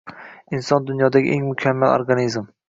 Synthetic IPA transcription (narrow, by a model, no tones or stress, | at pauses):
ɪnsɒnd̪ʊnjɒd̪aɡʲɪ̰ʔeŋmʊkʲʰamːalo̰ɾɡanizm